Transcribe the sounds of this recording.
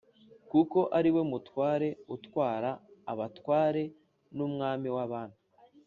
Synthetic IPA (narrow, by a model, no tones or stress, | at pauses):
kuko̞ʔaɾiwe̞mutwaːɾe̞utwaːɾaːβatwaːɾe̞ | nuːmŋaːmiwaβaːnu